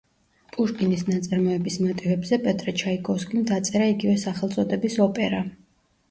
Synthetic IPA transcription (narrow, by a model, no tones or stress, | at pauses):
pʼuʃkʼinisnat̪sʼaɾmɔɛbismɔt̪ʼivɛbzɛpʼɛt̪ʼɾɛt͡ʃʰaikʼɔskʼimd̪at̪sʼɛɾaiɡivɛsaχɛlˠt̪sʼɔd̪ɛbisɔpʼɛɾa